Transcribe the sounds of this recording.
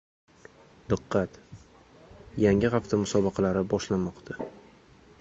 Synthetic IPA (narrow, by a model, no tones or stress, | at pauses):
d̪ɨqːɑt̪ | jaŋɪʁaft̪ʰamʊsɒbɑqʰɑlaɾɪbɒʃlamɒqt̪ʰa